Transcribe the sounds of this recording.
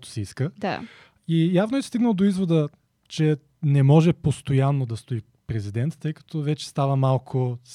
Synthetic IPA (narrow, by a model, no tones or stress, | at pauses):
t̪o̥sɛiskəd̪a̰ | ijavnoɛst̪iɡnəlˠd̪oizvod̪ə | t͡ʃɛ | nɛmɔʒɛpost̪ojanːod̪ɐst̪oi | pɾɛzid̪ɛnt̪ːəjkɐ̥t̪ʰɔvɛt͡ʃɛ̥st̪avəmalˠkʰʊ